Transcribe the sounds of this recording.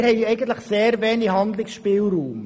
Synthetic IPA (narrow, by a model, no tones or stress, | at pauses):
ɾhɛɪɛɪɡən̩t̪ləχseːɾvɛːniɦɑnd̪lɪksʃpiːlɾuːm